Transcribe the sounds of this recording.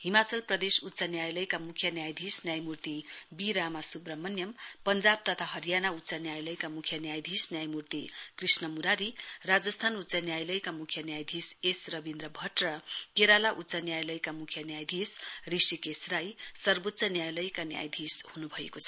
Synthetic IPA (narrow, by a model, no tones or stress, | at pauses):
ɦimat͡sʌlprʌd̪esut̪ːsʌnjajlʌjkamukʰjʌnjajd̪ʱisnjajmurt̪ibiɾamasubrʌmʌnjʌmpʌnd͡zab̚t̪ʌt̪ʰaɦʌɾijanaut̪ːsanjajlʌjkamukʰjʌnjajd̪ʱisnjajmurt̪ikrisnʌmuɾaɾirad͡zʌst̪ʰanut̪ːsʌnjajlʌjkamukʰjʌnjajd̪ʱisesrʌbind̪ɾʌbʱʌʈrʌkeɾalaʔut̪ːsʌnjajlʌjkamukʰjʌnjajd̪ʱisrisikesrajsʌrbot̪ːsʌnjajlʌjkanja̰jd̪ʱishunubʱʌḛkot͡sʰʌ